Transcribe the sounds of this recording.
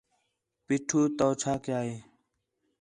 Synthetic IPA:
piːʈʰuːt̪oːt͡ʃʰaːkjaːɦeː

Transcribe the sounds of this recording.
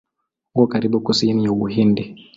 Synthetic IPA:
uɡɔkaɾiɓukusinijawuɦindɛ

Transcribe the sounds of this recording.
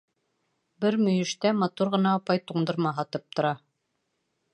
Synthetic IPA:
bɘɾmɵ̆jɘ̆ʃt̪æmɑt̪uɾʁɤ̆nɑːpɑjt̪uɴd̪ɤ̆ɾmɑɦɑt̪ɤp̚t̪ŏɾɑ

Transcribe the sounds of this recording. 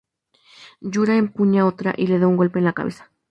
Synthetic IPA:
ɟ͡ʝuɾaempuɲaot̪ɾa̰ʔile̞ðauŋɡo̞lpe̞ːnlaka̰βesḁ

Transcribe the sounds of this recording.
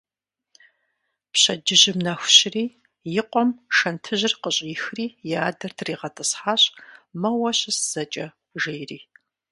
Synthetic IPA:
pɕɐd͡ʒɪʑɪmnɐxʷʊɕɪriː | jɪqʷʼɔmʃɐntʰɨʑɪrqəɕʼjɪxriːjaːdɐrtʰriːʁɐtʼɨsħaːɕʼmɐwɐɕɪsz̥ɐt͡ʃʼɐ | ʒejriː

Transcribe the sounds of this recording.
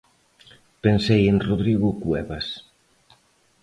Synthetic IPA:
pensejenroðɾiɣukwɛβas

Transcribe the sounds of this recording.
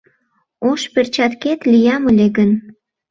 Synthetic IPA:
oʃpert͡ɕɑt̪ket̪lijɑməlʲeɡən

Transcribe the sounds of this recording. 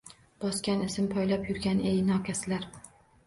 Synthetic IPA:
b̥ɒskʲanɪsɪmpʰɒjlapjʊɾɡʲanejnɒkʲʰasɪlaɾ

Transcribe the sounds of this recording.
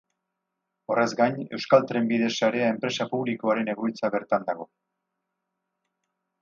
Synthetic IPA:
o̞rʔe̞zɡajɲe̞wskalt̪ɾe̞mbið̞e̞saɾe̞ae̞mpɾe̞sapuβliko̞aɾe̞ne̞ɣoit͡saβe̞ɾt̪and̪aɣ̞o̞

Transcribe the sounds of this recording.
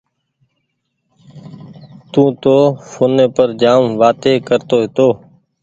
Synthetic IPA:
t̪ũːt̪oːfʰoːnẽːpəɾd͡ʒaːmʋaːt̪eːkəɾt̪oːɦɪt̪oː

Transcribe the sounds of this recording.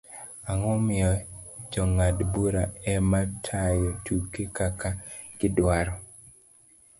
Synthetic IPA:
aŋɔmɪjɔd͡ʒɔŋadbuɾaɛmatʰajɔtukekakaɡɪdwaɾɔ

